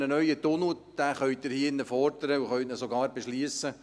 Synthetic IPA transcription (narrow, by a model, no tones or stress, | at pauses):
nənœʏət̪ʊnud̪̥æːχœʏt̚d̪ɪɾhiːɪnːəfɔrd̪əɾəuχœɥtnəsoɡɑːɾbeʃliːsə